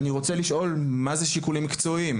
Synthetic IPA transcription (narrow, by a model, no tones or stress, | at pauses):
niʁo̞t͡seliʃʔo̞lmazeʃikulimkt͡so̞im